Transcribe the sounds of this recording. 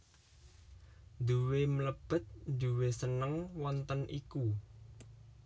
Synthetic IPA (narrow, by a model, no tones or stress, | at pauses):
d̪uwemləb̥ə̤t̪̚d̪uwesənəŋwɔnt̪ənʔiku